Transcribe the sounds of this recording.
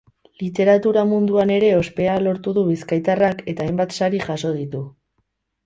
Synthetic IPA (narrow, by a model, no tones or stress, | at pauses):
lit̪e̞ɾat̪uɾamund̪uane̞ɾe̞o̞spe̞alo̞ɾt̪uðuβiskajt̪arake̞t̪aːjmbat̪saɾiʝaso̞ð̞it̪u